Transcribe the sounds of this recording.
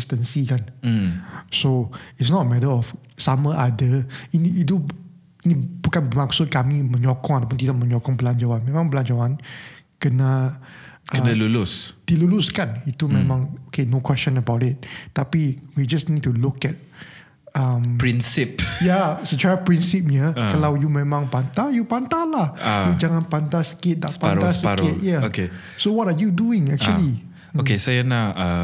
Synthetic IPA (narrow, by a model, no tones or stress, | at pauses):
stə̃nsikan | soitsnɔtəmɛtəɔf | saməʔadəiniitu | inib̥ukanbəmaksʊt̚kamimə̃ɲɔkɔ̃ŋatap̬unt̪̬idaʔ̚mə̃ɲɔkɔ̃ŋbəland͡ʒawanmɛ̃mãŋbəland͡ʒawankəna | alulusd̥iluluskanit̪umɛ̃mãŋokenokwɛst͡ʃɔ̃nəbawtɪt̚t̪apiwid͡ʒasnid̚tulukɛt̚ | ampɹinsip̚jasət͡ʃaapɹinsip̚jəkalawjumẽmãŋpant̪ajupant̪alahajud͡ʒaŋãnpant̪asə̥kɪt̚dapãɾasəɾkɪt̚jaoke | sowɔtajuduɪ̃ŋɛ̰k̚t͡ʃuəli | okesajanaa